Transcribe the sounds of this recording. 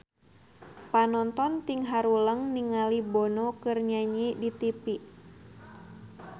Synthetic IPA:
panɔnt̪ɔnt̪iŋɦaɾuləŋniŋalibonokɨrɲaɲidit̪ipiʔ

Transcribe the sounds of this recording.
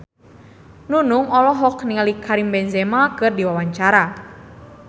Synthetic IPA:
nunʊŋɔlɔɦɔkniŋalikʰaɾimbɛnzemakɨrdiwawaɲt͡ʃaɾa

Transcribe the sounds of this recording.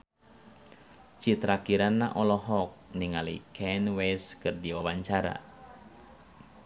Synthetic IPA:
t͡ʃit̪ɾakiɾanːaʔɔlɔɦɔk̚niŋalḭkʰɛnwɛskɨrdiwawaɲt͡ʃaɾa̰

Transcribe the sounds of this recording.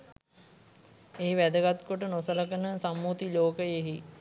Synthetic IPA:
eɦiʋæd̪əɡat̪koʈənosələkənəsamːut̪iloːkəjeɦi

